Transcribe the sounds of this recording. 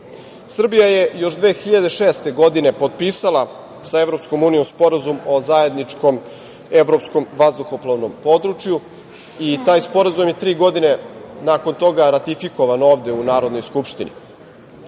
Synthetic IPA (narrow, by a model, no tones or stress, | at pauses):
sr̩bijajejo̞ʃd̪ʋeːxiʎad̪e̞ʃeːst̪e̞ɡo̞d̪inepot̪̚piːsalˠa | saevɾopsko̞muːnijo̞mspo̞ɾazumozaje̞d̪nit͡ʃko̞m | eʋɾopsko̞mʋazd̪uxoploʋno̞mpo̞d̪ɾut͡ʃju | it̪aːjspo̞ɾazumjet̪ɾiːɡo̞d̪ine̞naːko̞nt̪o̞ɡaɾat̪ifiko̞ʋano̞ːʋd̪e̞unaːɾo̞d̪no̞jskupʃt̪inḭ